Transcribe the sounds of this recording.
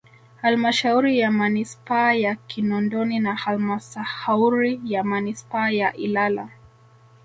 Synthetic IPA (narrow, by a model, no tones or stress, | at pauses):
halmaʃauɾijamanispaːjakinɔndɔninahalmasahauɾijamanispaːjaʔilala̰